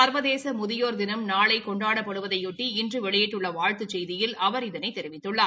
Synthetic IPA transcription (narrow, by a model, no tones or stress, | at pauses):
ɐɾʋɐðeːsɐmʊðɪjoːɾd̪ɪnɐmnaːɭɐɪkɔɳɖaːɽɐpːɐɽɯʋɐðɐɪʊʈːiɪndrɯʋɛɭɪjɛʈːɯɭːɐʋaːɻt̪ɯt͡ʃːɛjðɪjɪlɐʋɐɾɪðɐnɐɪt̪ːɛɾɪʋɪt̪ːɯɭːaː